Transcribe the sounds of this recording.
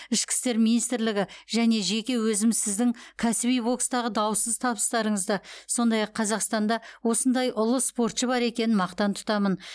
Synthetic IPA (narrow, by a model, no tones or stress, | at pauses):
ɪʃkʲɪ̥st̪e̞ɾminijst̪ɾlɪɡʲɪʒæne̞ʒe̞kʲe̞wɵzɪmzsɪzd̪ɪŋkʲʰæsɪbijbo̞kst̪ɑʁəd̪ɑwəsəzt̪ʰɑβəst̪ɑɾəɴəzd̪əso̞nd̪ɑjɑqʰːɑzɑqst̪ɑnd̪ɑwo̞sənd̪ɑjʔʊlˠəspo̞ɾt̪ʃəβɑɾe̞kʲe̞nɪnmɑqt̪ɑnt̪ʰʊ̥t̪ɑmən